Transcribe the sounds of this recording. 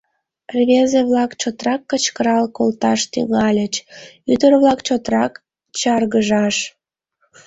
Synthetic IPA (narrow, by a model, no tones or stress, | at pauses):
rβʲezeβlɑkt͡ɕot̪rɑkːət͡ɕkəɾɑlkolt̪ɑʃt̪y̰ŋɑlʲət͡ɕyd̪ərβlɑkt͡ɕot̪rɑk | t͡ɕɑrɣəʒɑʃ